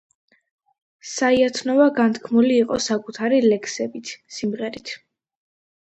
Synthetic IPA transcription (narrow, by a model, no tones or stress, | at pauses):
saiat̪ʰnɔvaɡant̪ʰkʰmuliːqʼɔsakʼut̪ʰaɾilɛkʰsɛbit̪ʰsimʁɛɾit̪ʰ